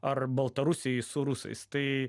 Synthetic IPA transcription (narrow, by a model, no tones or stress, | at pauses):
ɐrbɐlˠt̪ɐɾʊsʲɪjsʊɾusɐ̰ɪst̪ɐɪ